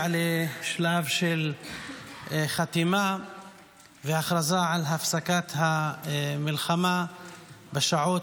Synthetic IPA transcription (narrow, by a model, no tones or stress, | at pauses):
leʃlavʃel | χat̪ima | vehaχɾazaʕalɦafsakat̪hamilχama | beʃaʕot